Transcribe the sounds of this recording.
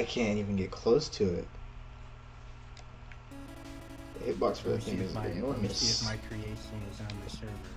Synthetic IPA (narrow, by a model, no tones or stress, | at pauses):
ɪkʰæ̃ñnivɨ̃nɡɛt̚kʰl̥oʊstʰɨɪ̰t̚ | hɪt̚b̥ɑksfəðɨ̰θθɪ̃ŋɨzɨ̰nɔɹmɨsmaɪkʰɹ̥ieɪʃɨ̃nɪzə̃nɨsɜ˞